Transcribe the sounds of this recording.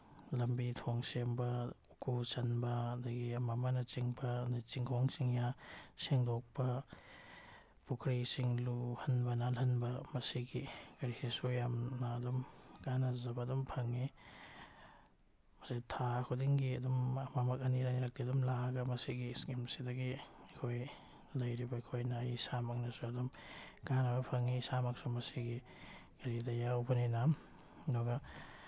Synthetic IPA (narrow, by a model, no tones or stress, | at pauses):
lɐmbitʰoŋsembɐukusɐnbɐːdɐɡiɐmamɐnɐt͡ʃiŋbɐnit͡ʃiŋkʰoŋsiŋjaseŋdok̚pɐ | pukʰɾisiŋluhɐnbɐnalhɐnbɐmɐsiɡiɡɐɾisisojamnaːdumkanɐzɐbadumpʰɐŋni | mɐsitʰakʰudiŋɡiɐdumɐmamɐkɐniɾaniɾak̚tiɐdumlaɡɐmɐsiɡiskimsidɐɡiikʰoj | lɐjɾibɐikʰojnajsamak̚nɐsuɐdumɡanɐbɐpʰɐŋisamaksumɐsiɡi | ɡ̥ɐɾidɐjawbɐninam | dɔɡɐ